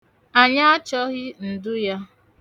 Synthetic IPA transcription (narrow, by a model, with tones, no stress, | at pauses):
a˨ɲa˦a˦t͡ʃɔ˦ɣɪ˦n̩˨dʊ˦ja˦